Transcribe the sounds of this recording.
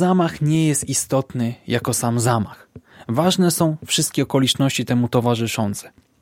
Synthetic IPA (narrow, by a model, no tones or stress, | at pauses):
amaxɲɛjɛst̪ist̪ɔt̪nɘjakɔsamzamaxvaʐnɛsɔ̃w̃fʂɘst̪̚kʲɛɔkɔlʲit͡ʂnɔɕt͡ɕit̪ɛmut̪ɔvaʐɘʂɔnt̪sɛ̥